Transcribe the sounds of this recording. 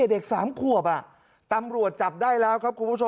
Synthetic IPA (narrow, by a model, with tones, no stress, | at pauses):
de˨˩k̚saː˩˦mkʰu˨˩əp̬̚ʔa˨˩ | t̪a˧mɾu˨˩ət̪̚t͡ɕa˨˩p̚daː˥˩jlɛː˦˥wkʰa˦˥ku˧npʰo˧